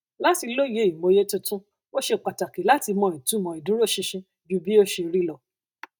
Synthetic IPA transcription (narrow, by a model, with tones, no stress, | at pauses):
la˦ti˧lo˦˨je˨˦i˨mo˨˦je˦tũ˧tũ˦ | o˦ʃe˧k͡pa˨ta˨ke˨la˨˦ti˧mɔ̃˧˨i˨tũ˨˦mɔ̃˨i˨dũ˨˦ɾo˦˨ʃĩ˧ʃĩ˧ | d͡ʒu˨˦bi˦o˦ʃe˧ɾi˦lɔ˦˨